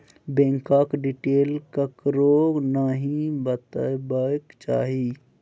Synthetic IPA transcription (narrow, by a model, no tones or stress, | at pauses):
bẽːŋkaːkɖiʈeːlkəkɾoɡnaːɦĩbət̪əbəkt͡ʃaːɦi